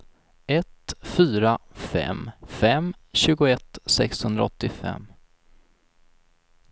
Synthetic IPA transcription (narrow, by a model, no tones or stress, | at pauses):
ɛt̪fyːɾafɛ̰mfɛmɕʉ̟ːɡʊɛt̪ːsɛkshɵnd̪ɾa̰ɔt̪ːɪfɛ̰mː